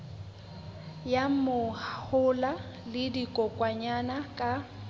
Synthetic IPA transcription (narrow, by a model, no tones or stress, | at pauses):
jamʊhhʊla | lɪdikʼɔkʼwaɲanakʼa